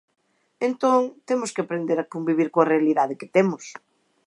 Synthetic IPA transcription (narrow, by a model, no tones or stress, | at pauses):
ẽnt̪õŋt̪emʊskɪapɾend̪eɾɐkombiβ̞iɾkoɐrealiðaðɪkɪt̪emʊs